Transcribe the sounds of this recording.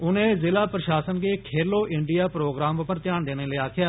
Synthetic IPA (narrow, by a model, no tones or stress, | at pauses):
ʊnẽːzɪlaːpɾəʃaːsənɡeːkʰeːloːʔɪɳɖijaːpɾoːɡɾaːmʊpəɾt̪jaːɳd̪eːneːləːaːkʰɪjaː